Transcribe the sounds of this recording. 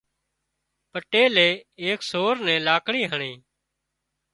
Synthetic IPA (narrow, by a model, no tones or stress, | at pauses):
pəʈeːleːeːksoːɾnɛ̃ːlaːkɳiːɦəɳẽː